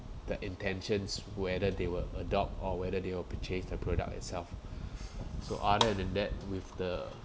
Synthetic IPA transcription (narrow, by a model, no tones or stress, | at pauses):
d̥əʔĩntɛ̃nʃə̃nswɛdədewələdɔp̚tɔwɛdədewəpit͡ʃẽsdəpʰɹodə̰k̚ɪ̰tsɛlf | soʔadəɛ̃nɛ̃ndɛt̚wɪfdə